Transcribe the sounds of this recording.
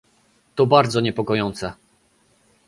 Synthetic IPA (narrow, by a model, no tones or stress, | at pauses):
t̪ɔbaɾd̪zɔɲɛpɔkɔjɔnt̪sɛ